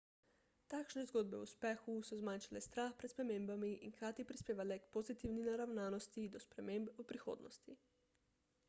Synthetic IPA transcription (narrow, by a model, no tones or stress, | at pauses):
t̪aːkʃnɛzɡoːd̪bɛuspɛːxusɔzmaːnʃalɛst̪ɾaːxpɾɛt̪spɾɛmẽːmbamiiŋkɾaːt̪ipɾispeːʋalɛkpozit̪iwninaɾawnaːnɔst̪id̪ɔspɾɛmeːmbupɾixo̰ːd̪nɔ̰st̪i